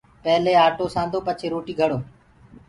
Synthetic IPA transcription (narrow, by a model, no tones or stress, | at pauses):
pəɦleːaːʈoːsãːnd̪ʱoːpət͡ʃʰeːɾoːʈiːɡʱəɽoː